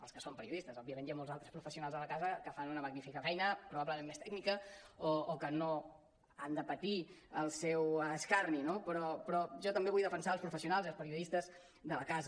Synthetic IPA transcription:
ə̰lˠskəsompəɾiuðist̪əzɔbiəmẽnt̪jamolˠzalˠt̪ɾəspɾufəsiunalzðələkazəkəfanunəməɡnifikəfɛjnəpɾuβabləmemːest̪ɛɡnikəoːkəno | and̪əpət̪iəlˠsɛwskarninopɾɔpɾɔʒɔt̪əmbeβujðəfənsalˠspɾufəsiunalˠziəlˠspəɾiuðist̪əz | ðələkazə

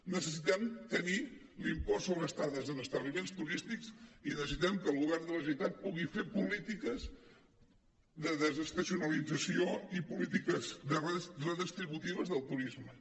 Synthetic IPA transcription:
nəsəsit̪ɛmt̪əni | limpɔsoβɾəst̪aðəzənəst̪əβlimenst̪uɾist̪iksinəssit̪ɛmkəːlˠɣuβɛɾðələs̬it̪at̪̚puɣifepulit̪ikəz | ðəðəzəst̪əsiunəlid͡zəsioipulit̪ikəzðərrəðist̪ɾiβut̪iβ̞əzðəlˠt̪uɾizmə

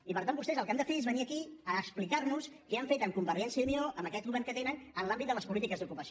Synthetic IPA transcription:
ipəɾt̪ambust̪ɛzəlˠkamd̪əfeezβəniəkiəːksplikaɾnuskɛəɱfet̪əŋkumbəɾʒɛnsjəunioʔəmbəkɛt̪̚ɣuβɛɾŋkət̪enənənlambit̪d̪ələspulit̪ikəzd̪ukupəs

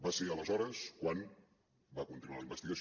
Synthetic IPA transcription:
baseələzɔɾəskwan | bakunt̪inualəimbəst̪iɣəs

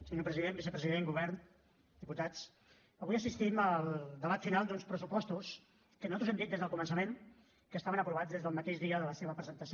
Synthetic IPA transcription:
səɲopɾəziðembisəpɾəziðeŋɡuβɛɾn | d̪iput̪at͡s | əβujəsist̪iməlˠd̪əβat̪finalˠd̪unspɾəsupɔst̪us | kənuzat̪ɾuzɛmd̪it̪ezðəlˠkumənsəmen | kəːst̪aβənəpɾuβad͡zðezðəlˠmət̪eʃðiəðələseβəpɾəzənt̪əsi

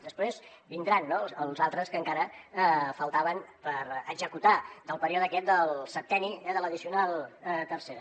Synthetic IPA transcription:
d̪əspɾez | bind̪ɾanːoəlˠzalˠt̪ɾəskəŋkaɾəfəlˠt̪aβənpəɾəɡzəkut̪ad̪əlˠpəɾiɔðəkɛt̪̚d̪əlˠsət̪ɛniɛðələðisiunalˠt̪ərseɾə

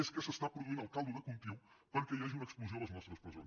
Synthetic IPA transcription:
eskɛsɐst̪apɾuðuzinalˠkalˠd̪uðɐkũmp̪iwˠ | kɐ̃nkɐjaʒumɐɛksplˠuzɐ̃w̃ɐznɔst̪ɾɐspɾɐzõ̰

